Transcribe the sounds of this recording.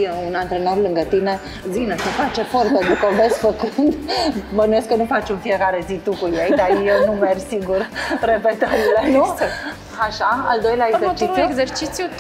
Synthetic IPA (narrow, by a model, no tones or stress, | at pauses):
jeunant̪ɾenoɾlɨŋɡət̪ine | zinəsəfat͡ʃefoɾt̪əd̪ukəvesfəkɨnd̪mənujeskənufat͡ʃunfiekaɾezit̪ukujejd̪ajenumersiɡuɾrepet̪əɾilenu | aʃaa̰ld̪ojljaezeɾt͡ʃiɾeɡzeɾt͡ʃit̪sju